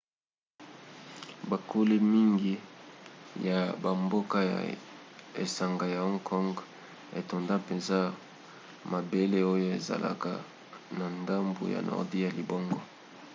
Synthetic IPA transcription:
ba˨kʰo˦li˦mi˦ŋɡi˦ | ja˨ba˨mbo˦ka˦ja̰˨ | ḛ˨sa˨ŋɡa˨ja˨ɔ˦ŋkʰɔ˦ŋɡ | e˨to˨nda˦pe˨nza˦ | ma˨be˦le˦o˦jo˦e˨za̰˨lʔa̰˨ka˨ | na˨nda˦mbo̰˨ja̰˨nʔɔ̰˨ʁdi˦ja˨li˨bɔ˦ŋɡɔ˦

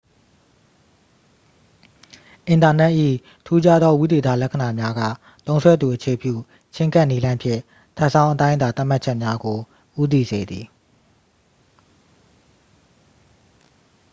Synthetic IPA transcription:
ʔɪ̃˨nta˨nɛ˦ʔḭ˦˨ | tʰu˦d͡ʑa˦d̪ɔ˦wu˦d̪e˨t̪a̰˦˨lɛ˦kʰə˨na˨mja˦ɡä̰˦˨ | t̪õ˦ʊ̃nsʰwɛ˦d̪u˨ʔət͡ɕʰe˨pjṵ˦˨ | t͡ɕʰɪ̃˦ŋka˦ʔni˦lã˦ɪ̃pʰjɪ̰̃˦˨ | tʰa˦ʔsã˦ʊ̃ʔət̪ã˦ɪ̃d̪a˨t̪a˦ʔm̥a˦ʔt͡ɕʰɛ˦ʔmja˦ɡo˨ | ʔu˦t̪̬i˦˨ze˨d̪ði˨

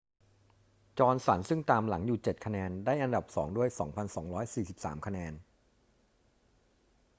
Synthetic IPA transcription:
t͡ɕɔː˧nsa˩˦nsɯ˥˩ŋt̪aː˧mla˩˦ŋjuː˨˩t͡ɕe˨˩t̪̚kʰa˧nɛː˧ndaː˥˩jʔa˧nda˨˩p̚sɔː˩˦ŋdu˥˩əjsɔː˩˦ŋpʰa˧nsɔː˩˦ŋɾɔː˦˥jsiː˨˩si˨˩p̚sa̰ː˩˦mkʰa˧nɛː˧n

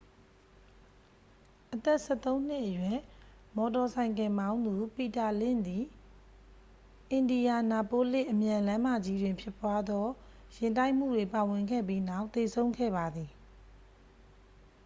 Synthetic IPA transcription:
ʔət̪ɛ˦ʔsɛ˦˨t̪õ˦ʊ̃n̥ɪ˦ʔːəjwɪ̃˨ | mɔ˨tɔ˨sʰã˨ɪ̃ŋkɪ̃˨mbã˦ʊ̃nd̪u˨pi˨ta˨lɪ̰̃˦˨nd̪i˨ | ʔɪ̃˨ndi˨ja˨na˨po˦lɪ˦ʔəmjã˨lã˦ma˦˨d͡ʑi˦dwɪ̃˨mpʰjɪ˦˨pwa˦d̪ɔ˦ | jɪ̃˨nt̬a˦ɪʔm̥ṵ˦˨dwe˨pa˨wɪ̃˨ŋɡɛ̰˦˨p̬ji˦na˦˨ʊʔt̪e˨sʰõ˦ʊ̃ŋɡʰɛ̰˦˨βa˨d̪ði˨

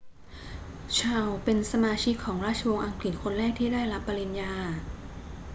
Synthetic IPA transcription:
t͡ɕʰaː˧wpe˧nsa˧maː˧t͡ɕʰi˦˥kʰːɔː˩˦ŋɾaː˥˩t͡ɕʰa˧wo˧ŋʔa˧ŋkli˨˩t̪̚kʰo˧nɾɛː˥˩k̚t̪ʰiː˥˩daː˥˩jɾa˦˥pːa˧li˧njaː˧

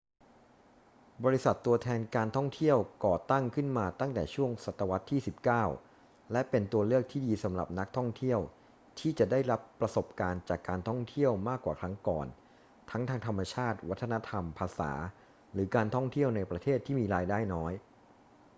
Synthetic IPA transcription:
bɔː˧ɾi˦˥sa˨˩t̪ːu˧ɐt̪ʰɛː˧nkaː˧nt̪ʰɔ˥˩ŋt̪ʰi˥˩əwkɔː˨˩t̪a˥˩ŋkʰɯ˥˩nmaː˧t̪a˥˩ŋt̪ɛː˨˩t͡ɕʰu˥˩əŋsa˨˩t̪ːa˧wa˦˥t̪ʰːiː˥˩si˨˩p̚kaː˥˩w | lɛ˦˥pe˧nt̪u˧ɐlɯ˥˩ək̚t̪ʰiː˥˩diː˧sa˩˦mɾa̰˨˩p̚na˦˥k̚t̪ʰɔ˥˩ŋt̪ʰi˥˩əw | t̪ʰiː˥˩t͡ɕa˨˩da˥˩jɾa˦˥pːɾa˧so˨˩p̚kaː˧nt͡ɕaː˨˩kːaː˧nt̪ʰɔ˥˩ŋt̪ʰi˥˩əwmaː˥˩kːwaː˨˩kʰɾa˦˥ŋkɔ̰ː˨˩n | t̪ʰa˦˥ŋt̪ʰaː˧ŋt̪ʰa˧mːa˧t͡ɕʰaː˥˩t̪̚wa˦˥t̪ʰːa˧na˦˥t̪ʰa˧mpʰaː˧sa̰ː˩˦ | ɾɯː˩˦˥kaː˧nt̪ʰɔ˥˩ŋt̪ʰi˥˩əwna˧jpɾa˧t̪ʰeː˥˩t̪ʰːiː˥˩miː˧ɾaː˧jdaː˥˩jnɔː˦˥j

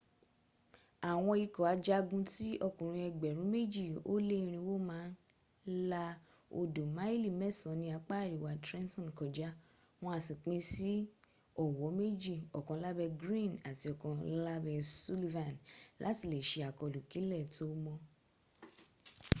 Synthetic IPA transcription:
a˨w̃ɔ̃˧i˧kɔ˨a˨˧d͡ʒa˦ɡũ˦ti˦ʔɔ˧˨kũ˨ɾ̃ũ˧ɛ˧ɡ͡bɛ˨ɾ̃ũ˨˦me˦d͡ʒi˦˨o̰˦lẽ˦˧ɾ̃ĩ˧wo˦mãː˨˦n˦ | la˧ | o̰˧do˨ma˨˦i˦li˦˨mɛ˦˨sɔ̃˨nĩ˧a˧k͡pa˦˨ɾi˨wa˧tɾɛ̃˦ntɔ̃˦˨kɔ˨d͡ʒa˨˦ | w̃ɔ̃˧a˧sĩ˨k͡pĩ˧si˦ | ɔ˦˨wɔ˨˦me˦d͡ʒi˦˨ɔ˨kɔ̃˧˦la˦bɛ˧ɡɾĩ˦˨na˨ti˧ɔ˨kɔ̃˧la˦bɛ˧su˦li˧vã˨nlʔa̰˨˦ti˦˨le˨ʃe˧˦a˨kɔ˧˨lu˨ki˨˦lɛ˦˨to˦mɔ̃˧

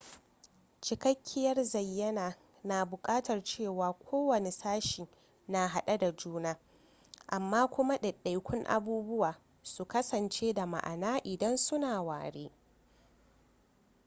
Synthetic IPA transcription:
t͡ʃɪ˨kɐ˦kʲʰːɪ˦jɐ˦rzɐ˨jːɐ˦naː˨ | naː˨bʊ˨kʼaː˦tɐ˨rt͡ʃeː˦˨waː˨kʷʰoː˦wɐ˨ne˨saː˦ʃiː˨ | na˨ɦa˦˨ɗa˦da˨d͡ʒuː˦naː˦ | ʔa˨mːaː˦kʷʊ˦ma˦ɗɐ˨ɗa˨jkʷʊ˦ŋʔa̰˦buː˦bʊ˦waː˨ | su˨kɐ˦sɐ˨nt͡ʃeː˦da˨ma̰˨ʔa̰˨naː˦ʔɪ˨dɐ˦nsʊ˦naː˨waː˨ɽḛː˦

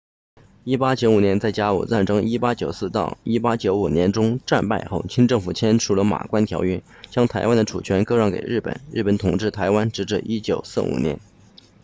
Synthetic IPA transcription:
i˥pa˥t͡ɕjo˧˥ʊu˨˩njɛ˧˥nt͡sa˥˩ɪt͡ɕja˥ṵ˨˩t͡sa˥˩nʈ͡ʂɤ˥ŋi˥pa˥t͡ɕjo˨˩ʊsɹ̩˥˧t̪ɑ̰˥˧˩ʊi˥pa˥t͡ɕjo˧˥ʊu˨˩njɛ˧˥nʈ͡ʂʊ˥ŋʈ͡ʂa˥˧npa̰˥˧ɪxo˥˩ʊt͡ɕʰi˥ŋʈ͡ʂɤ˥˩ŋfu˨˩t͡ɕʰjɛ˥nʈ͡ʂʰu˥˩lə˦ma̰˨˩kwa˥nt̪ʰjɑ˧˥ʊɛ˥˩t͡ɕjɑ˥ŋt̪ʰa˧˥ɪwa˥nd̪ə˨˧ʈ͡ʂʰṵ˨˩t͡ɕʰɥɛ˧˥nkɤ˥ɻɑ˥ŋkḛ˨˩ɪɻ̩˥˩pə̰˨˩˦nɻ̩˥˩pə˧˥nt̪ʰʊ˨˩ŋʈ͡ʂɻ̩˥˩t̪ʰa˧˥ɪwa˥nʈ͡ʂɻ̩˧˥ʈ͡ʂɻ̩˥˩ʔi˥t͡ɕjo̰˨˩ʊsɹ̩˥˩ṵ˨˩njɛ̰˧˥n

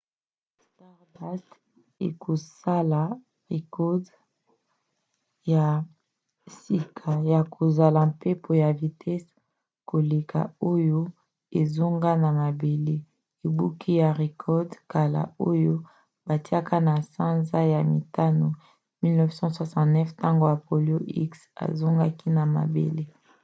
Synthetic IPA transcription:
sta˦ʁda˦st | ḛ˨ko˨sa˦la˨ | ʁe˨kɔ˦d | ja˨ | si˨kʰa˨ja˨kʰo˨za˨la˨pe˦pʰo˨ja˨vi˨tʰɛ˦s | ko˨le˨ka̰˨o˦jo˦ | e˨zo˦ŋɡa˦na˨ma˨be˨le˦ | e˨bu˦kʰi˦ja˨ʁe˨kʰɔ˦dka˨la̰˨o˦jo˦ | ba˨ti˦a˦ka˦na˨sã˦nza˦ja˨mi˨ta˦no˨ | mi˦lnɛ˦vsɑ̃˦swa˨sɑ̃˦tnɛ˦fta˦ŋɡo˦ja˨po˨lo˦ʔi˦ksa̰˨zo˦ŋɡa˦ki˦na˨ma̰˨bḛ˨le˦

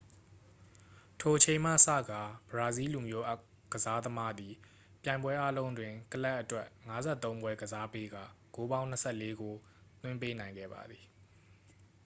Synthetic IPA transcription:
tʰo˨ʔət͡ɕʰẽ˨ɪ̃m̥ä̰˦˨sä̰˦˨ɡa˨b̥əɹa˨zi˦lu˨mjo˨˦ʔa˦ | ɡəza˦d̪əma˦d̪i˨ | pjã˨ɪ̃mbwɛ˦ʔa˦lõ˦ʊ̃ndwɪ̃˨kəla˦ʔːətwɛ˦ʔŋa˦zɛ̰˦˨t̪ːõ˦ʊ̃ŋɡwɛ˦ɡəza˦pe˦ɡa̰˦˨ɡo˦bã˦ʊ̃nə˦sʰɛ˦˨le˦ɡo˨ | t̪wɪ̃˦mpe˦nã˨ɪ̃ŋɡɛ̰˦˨ba̰˨d̪ði̥˨

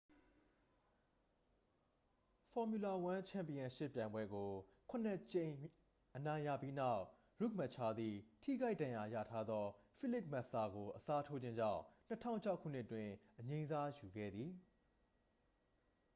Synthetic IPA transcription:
fɔ˨mju˨la˨wã˦t͡ɕʰã˨mpi˨ã˨ʃɪ̰˦˨pjã˨ɪ̃mbwɛ˦ɡo˨kʰʊ̃˦˨nɛ˦˨t͡ɕẽ˨ɪ̃ | ʔənã˨ɪ̃jä̰˦˨pji˦na˦˨ʊʔ | ɹu˦˨k̚ma˦˨ʔt͡ɕʰa˦d̪ði˨tʰḭ˦˨ɡa˦ɪʔdã˨ja˨ja̰˦˨tʰa˦d̪ðɔ˦fi˦˨lɪ˦p̚ma˦ʔsa˨ɡo˨ʔəsa˦tʰo˦d͡ʑɪ̃˦ɲd͡ʑã̰˦˨ʊ̃n̥ə˦tʰã̰˦˨ʊ̃ɲt͡ɕʰa˦ʊkʰːṵ˦˨n̥ɪ˦ʔtwɪ̃˨ʔəɲẽ˦nza˦ju˨ɡɛ̰˦˨d̪ði˨

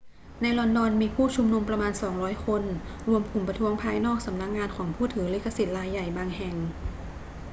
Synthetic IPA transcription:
na˧jlɔ˧ndɔː˧nmiː˧pʰuː˥˩t͡ɕʰu˧mnu˧mpɾa˧maː˧nsɔː˩˦ŋɾɔː˦˥jkʰo˧nɾu˧əmkʰu˨˩mpɾa˧t̪ʰu˦˥əŋpʰaː˧jnɔː˥˩k̚sa˩˦mna˦˧˥k̚ŋaː˧nkʰɔː˩˦ŋpʰuː˥˩t̪ʰɯː˩˦li˦˥kʰːa˧si˨˩t̪̚ɾaː˧jːa˨˩jbaː˧ŋɦɛ˨˩ŋ

